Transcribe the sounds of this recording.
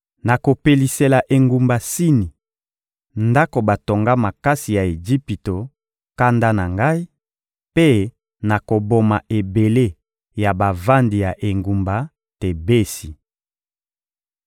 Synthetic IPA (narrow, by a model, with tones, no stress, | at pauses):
na˨ko˨pe˨li˨se˨la˨ʔe˨ŋɡu˨mba˨si˦ni˨ | nda˦ko˨ba˨to˨ŋɡa˦ma˨ka˦si˨ja˨e˨d͡ʒi˦pi˨to˨ | ka˦nda˦na˨ŋɡa˦i˦ | pe˦ | na˨ko˨bo˨ma˨ʔe˨be˨le˦ | ja˨ba˨va˦ndi˨ja˨ʔe˨ŋɡu˨mba˨ | te˨be˦si˨